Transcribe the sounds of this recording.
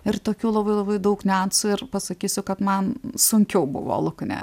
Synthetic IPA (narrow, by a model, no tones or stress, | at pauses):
ɪrt̪oːkʲuːlˠɐbɐɪlˠɐbɐɪd̪ɐʊknʲɛɐnt̪sʊɪrpɐsɐkʲiːsʲʊkɐt̪mɐnsʊŋʲkʲɛʊbʊ̰ʋo̰lˠʊknʲɛ̰